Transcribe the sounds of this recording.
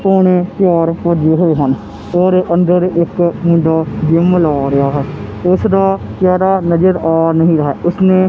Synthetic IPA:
poːɳ̃eːpɪjɔːɾpəd͡ʒeːɦoːeːɦən | ɔːɾʔənd̪əɾɪkmʊ̃ɳɖaːd͡ʒɪmːlaːɾɪaːɦɛːʊsd̪aːkɛːɾaːnəd͡ʒəɾɔːɾnəɦĩːɾəɦɛːʊsnẽː

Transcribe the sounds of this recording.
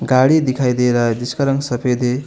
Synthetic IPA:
ɡaɽid̪ikʰajd̪eɾʌd̪iskʌɾʌŋsʌpʰed̪e

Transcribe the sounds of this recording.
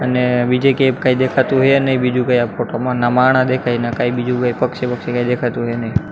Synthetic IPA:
əneʋid͡ʒekepkaid̪ekʰat̪ũɦenəibid͡ʒũkajapfoʈomãnamaɳãd̪ekʰajnakaibid͡ʒʱũkajpəkʃepəkʃekaid̪ekʰat̪ũɦenəi

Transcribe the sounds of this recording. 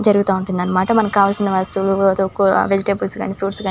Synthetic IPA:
d͡ʒɐɾuɡut̪aːuɳʈund̪ɐnːɐmaːʈɐmɐnɐmkkaːʋaːlsinːɐʋast̪ɐwuluot̪okːoʋed͡ʒiʈeːbulsɡa̰ːnipʰɾuːʈsɡaː

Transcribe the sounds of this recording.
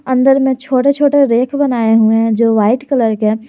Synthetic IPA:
ə̃nd̪əɾmẽt͡ʃʰoːʈet͡ʃʰoːʈeɾeːkʰbɐnaːeɦued͡ʒoːʋaːɪʈkələɾkeː

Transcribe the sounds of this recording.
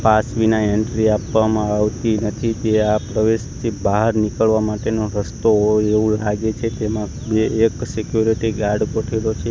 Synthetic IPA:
pasʋinaeɳʈɾiapʋamãaʋt̪inət̪ʰit̪eapɾəʋeʃt̪ʰibaɦəɾnikəɭʋamaʈenoɾəst̪oeʋũlaɡet͡ʃʰet̪emã | beːksikjuɾiʈiɡaɾɖkoʈʰelot͡ʃʰe

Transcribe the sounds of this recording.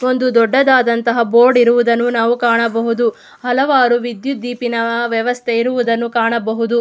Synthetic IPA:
o̞nd̪ud̪ɔɖːɐd̪aːd̪ɐnt̪ɐɦɐboːɾɖiɾuʋud̪ɐnːunaːʋukaːɳɐbɐɦud̪u | hɐlɐʋaːɾuʋid̪jud̪iːpinɐʋjɛʋɐst̪ʰeiɾuʋud̪ɐnːukaːɳɐbɐɦud̪u

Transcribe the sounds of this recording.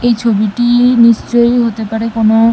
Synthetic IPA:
ejt͡ɕʰobiʈinist͡ʃojɦot̪epaɹɛkɔnɔ

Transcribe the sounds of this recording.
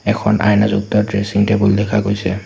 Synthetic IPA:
ɛkʰɔnʔa̰jnazuk̚tɔtɹesiŋtɛbuldɛkʰakojsɛ

